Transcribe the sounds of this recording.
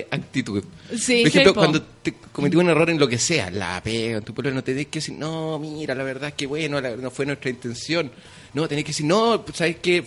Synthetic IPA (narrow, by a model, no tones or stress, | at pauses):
ʔak̚t̪it̪uð | spoɾexemplopwand̪ot̪ekomet̪iunero̞ɾenlokese̞a̰la̰peɣaent̪upelnot̪enejkeesiɾnomiɾalaβeɾðaekeβwenolanofwenwet̪ɾaint̪e̞nsjo̞nː | ot̪enejkeesiɾnosaβehke